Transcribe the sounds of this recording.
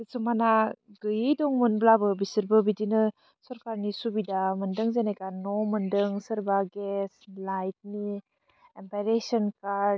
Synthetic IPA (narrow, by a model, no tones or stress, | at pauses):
isumanaɡɯjɯjdɔŋmɯnblabɯbisɯɾbɯbidinɯ | sɔɾkaɾnisubidamɯndɯŋzenajkanɔmɯndɯŋsɯɾbaɡeslajt̚ni | empaɾesɔnkaɾ̚